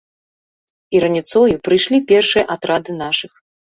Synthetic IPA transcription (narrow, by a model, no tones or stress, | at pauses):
iɾɐnʲit̪sɔjupɾɨjʂlʲipʲɛrʂɨjɐʔat̪ɾad̪ɨnaʂɨx